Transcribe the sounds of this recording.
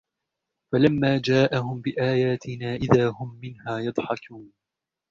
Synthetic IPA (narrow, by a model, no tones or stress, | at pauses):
falamːaːd͡ʒaːʔahʊmbɪʔaːjaːt̪ʰɪnaːʔɪðaːhʊmːɪnhaːjɑd̪ˤħɑkʰuːn